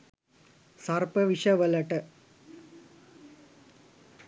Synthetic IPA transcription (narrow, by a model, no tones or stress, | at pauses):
sɐrpɐʋiʂɐʋɐlɐʈːɐ